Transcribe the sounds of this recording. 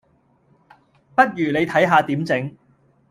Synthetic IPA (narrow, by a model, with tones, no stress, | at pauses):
pɐ˥t̚jyː˨˩ne˨˧jt̪ʰɐ˨˥jɦaː˧t̪iː˨˥mt͡sɪ˨˥ŋ